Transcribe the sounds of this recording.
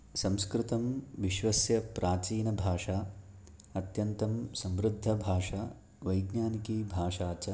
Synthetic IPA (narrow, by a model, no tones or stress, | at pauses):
sɐ̃mskɾɪt̪ɐmʋiʃʋɐsjɐpɾʔaːt͡ʃiːnɐbʱaːʂaː | ɐt̪jɐnt̪ɐmsɐmɾud̪ʱːɐbʱaːʂa | ʋɐjɡɲaːnikiːbʱaːʂaːt͡ʃɐ